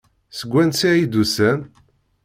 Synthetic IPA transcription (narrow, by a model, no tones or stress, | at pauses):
səɡʷːænsijid̪usæn